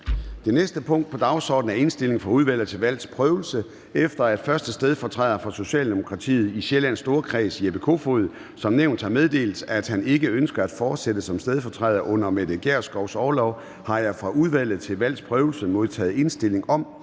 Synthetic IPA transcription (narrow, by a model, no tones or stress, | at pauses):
d̥e̝nesd̥əpʰɔ̽ŋ̰d̥̚pʰɒ̽d̥ɑ̈ʊsɒ̰ːd̥n̩æe̝nsd̥e̝le̝ŋfʁɑ̈uð̞ˠʋæl̰ð̩ˠt͡sʰe̝lʋæl̰d̥spʰʁœːʊl̩sə | efd̥ɐæd̥fɶɐsd̥əsd̥eð̞ˠfɒt͡sʰʁɛ̰ðˠɐfʁɑ̈so̝ɕɛ̰ːld̥e̝mo̝kʰʁɑ̈t͡sʰḭːð̩ˠiɕelæn̰sːd̥o̝ːɐkʰʁɛ̰ːsieb̥e̝kʰo̝̰fo̝ð̩ˠ | sɒ̽mneʊnd̥hɑ̈með̞ˠd̥e̝̰ːld̥æd̥hæne̝ɡ̥əønsɡ̥ɐæd̥fɒːd̥sed̥əsɒ̽msd̥eð̞ˠfɒ̽t͡sʰʁɛːðˠɐʔɔ̽n̰ɐmed̥eɡ̥æɐ̰sɡ̥ɒʊsɒːlɒʊ | hɑ̈jɑ̈ɪfʁɑ̈uð̞ˠʋæl̰ð̞̩ˠt͡sʰe̝lʋæl̰d̥spʰʁœːʊl̩səmo̝ð̞ˠt͡sʰɛ̰ːð̩ˠe̝nsd̥e̝le̝ŋɒ̽m